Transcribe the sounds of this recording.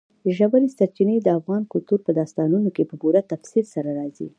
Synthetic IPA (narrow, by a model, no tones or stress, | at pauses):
ʒabalisaɾt͡ʃinəjd̪əafɣɑnkʊlt̪uɾpəd̪ɑst̪ɑnunokepəbuɾat̪afsilsaɾaɾɑzḭ